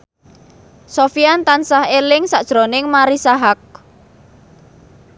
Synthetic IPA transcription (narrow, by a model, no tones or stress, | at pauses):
sofiant̪ansahelɪŋsaʔd̥ʒ̥ɾonɪŋmaɾisaɦak̚